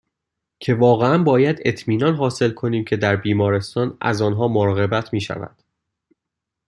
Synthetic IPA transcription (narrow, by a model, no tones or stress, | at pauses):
cʰe̞vɒːɣeænbɒːjæd̪e̞t̪ʰmiːnɒnɦɒːse̞lkʰo̞niːmcʰe̞d̪æɾbiːmɒːɾe̞st̪ɒːnæ̰zɒːnɦɒːmoɾɒːɣe̞bæt̪ʰmiːʃæ̰væ̰d̪̥